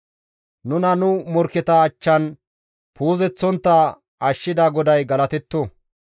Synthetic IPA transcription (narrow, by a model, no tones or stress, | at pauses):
nʊnɐnʊmɔɾkːɛt̪ɐːt͡ʃːɐn | puːzɛt͡sːɔnt̪ːɐ | ɐʃːɪd̪aːɡɔd̪ɐjɡɐlɐt̪ɛt̪ːo